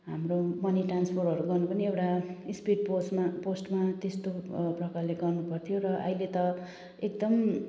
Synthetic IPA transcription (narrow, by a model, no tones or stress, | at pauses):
ɦamromʌniʈranspʰoɾɦʌɾuɡʌrnupʌniewʈaispiʈposmposʈmat̪est̪oprʌkarleɡʌrnupʌrt̪ʰijoɾʌʔʌ̰ilet̪ʌ | ekd̪ʌm